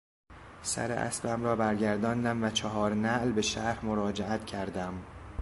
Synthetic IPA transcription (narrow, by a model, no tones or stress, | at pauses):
sæ̰ɾḛʔæ̰sbæmɾɒːbæɾɟæɾd̪ɒːnd̪æmvæt͡ʃʰɒɦɒːɾnæʔlbe̞ʃæɾhmoɾɒːd͡ʒeʔæt̪cʰæɾd̪æm